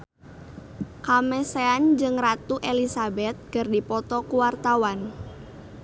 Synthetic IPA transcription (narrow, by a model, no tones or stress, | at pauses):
kamɛseand͡ʒɨŋrat̪uʔelisabɛt̪̚kɨrdipɔt̪ɔkuwart̪awan